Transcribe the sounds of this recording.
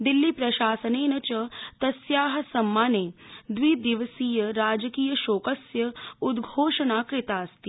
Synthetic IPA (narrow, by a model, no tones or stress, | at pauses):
d̪ilːiːpɾɐɕaːsəneːnɐt͡ɕət̪ɐsjaːɦɐsɐmːaːned̪ʋiːd̪iʋəsiːjəɾaːd͡ʒəkiːjəʃoːkəsjɐud̪ɡʱoːʂənaːkɾit̪aːɐst̪iː